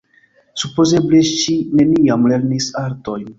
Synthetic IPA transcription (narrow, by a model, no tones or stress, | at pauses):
supo̞ze̞bleʃine̞niamle̞ɾnisaɾto̞jn